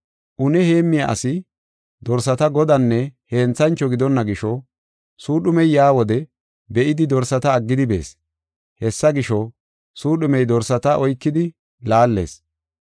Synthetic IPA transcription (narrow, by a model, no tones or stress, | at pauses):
ʔʊnɛheːmːɪja̰ʔɐ̰sɪ | d̪ɔɾsɐt̪ɐɡɔd̪ɐnːɛhe̞ːnt͡sɐnt͡ʃːɔɡɪd̪ɔnːɐɡɪʃɔ | suːɗʊmɛjːaːwɔd̪ɛ | bɛʔɪd̪ɪd̪ɔɾsɐt̪ɐːɡːɪd̪ɪbe̞̰ːs | hɛsːɐɡɪʃɔ | suːɗʊmɛjd̪ɔɾsɐt̪ɐʔɔjkːɪd̪ɪ | laːlːe̞̰ːs